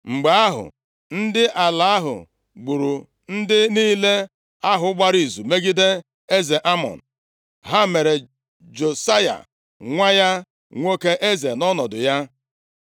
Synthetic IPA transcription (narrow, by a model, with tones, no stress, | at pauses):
ŋ͡m̩˨ɡ͡be˨˦a˦ɦʊ̰˨ | n̩˦dɪ˦ʔa˨la˨a˦ɦʊ̰˨ | ɡ͡bu˨ɾu˨ | n̩˦dɪ˦niː˦le˦ | a˦ɦʊ˨ʊ˦ɡ͡ba˦ɾi˨zu˨me˦ɡi˦de˦ | e˦ze˨ʔa˦mɔ̰˨n̩˨ | ɦa˦me˨ɾe˨ | d͡ʒo˨sa˦ja̰˨ | ŋʷa˦ja˦ | ŋʷo˦ke˦ʔe˦ze˨nɔ˦nɔ˨dʊ˨ja˦